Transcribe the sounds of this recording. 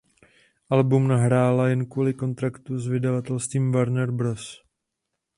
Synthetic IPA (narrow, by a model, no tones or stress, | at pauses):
ʔalbumnaɦɾaːlajɛnkuːlɪko̞nt̪ɾakt̪uzvɪdavat̪ɛlst̪viːmvaɾnɛɾbɾos